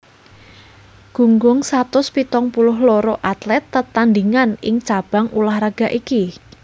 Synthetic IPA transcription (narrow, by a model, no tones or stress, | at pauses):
ɡ̥ṳŋɡʊŋsat̪ʊspit̪ɔŋpulʊɦlɔɾɔʔat̪lɛt̪ːət̪and̪iŋanɪŋt͡ʃab̥a̤ŋulahraɡ̥a̤ʔiki